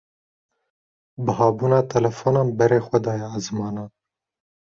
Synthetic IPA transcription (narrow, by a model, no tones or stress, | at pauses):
bɨɦɑːbuːnɑːt̪ʰɐlɐfonɑːmbɛɾeːxʷɐd̪ɑːjɛːzmɑːnɑː